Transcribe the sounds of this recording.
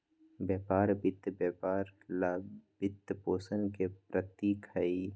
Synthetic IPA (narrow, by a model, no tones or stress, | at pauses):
bjɛːpaːɾbɪt̪ːbjeːpaːɾlabɪt̪ːpoːsənkepɾət̪iːkɐi